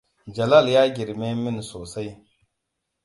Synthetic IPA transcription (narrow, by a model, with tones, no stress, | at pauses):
d͡ʒa˨la˦lja˦ɡi˨ɾme˦mi˦nso˨sa˦j